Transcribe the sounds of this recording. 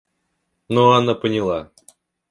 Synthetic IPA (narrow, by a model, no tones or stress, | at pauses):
noanapənʲɪlˠa